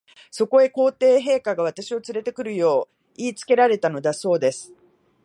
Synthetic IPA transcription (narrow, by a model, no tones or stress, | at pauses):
so̞ko̞e̞ko̞ːt̪e̞ːɦe̞ːkaɡaβ̞at̪aɕio̞t͡sɨɾe̞t̪e̞kɯ̟ɾɯ̟jo̞ː | iːt͡sɨ̥ke̞ɾaɾe̞t̪ano̞d̪aso̞ːd̪e̞sɨ̥